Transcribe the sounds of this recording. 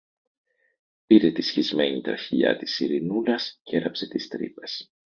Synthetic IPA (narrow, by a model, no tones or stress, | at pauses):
piɾe̞t̪isçizme̞ɲit̪ɾɐ̰çiʎɐ̰t̪i̥siɾinulɐsceɾɐpset̪ist̪ɾḭpe̞s